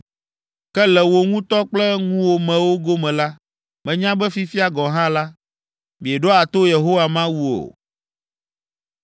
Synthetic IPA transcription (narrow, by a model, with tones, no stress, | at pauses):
kɛ˦lɛ˨wo˨ŋũ˦t̪ɔ˦k͡plɛ˦ŋũ˦wo˨mɛ̃˨wo˦ɡo˦mɛ̃˨la˦ | mɛ̃˨ɲã˦bɛ˦fi˦fi˦a˨ɡɔ˨ɦã˦la˦ | mĩ˨e˨ɖɔ˦a˨t̪o˦je˨ɦo˦wa˨mã˦wu˦o̰˨